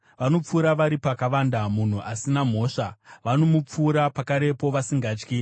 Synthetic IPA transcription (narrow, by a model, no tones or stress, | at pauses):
ʋano̞p͡fuːɾaʋaɾipakaʋandamun̤uʔasinam̤o̞ːʂaʋanomup͡fuːɾapakaɾe̞po̞ʋasiŋɡaːt͡ʃki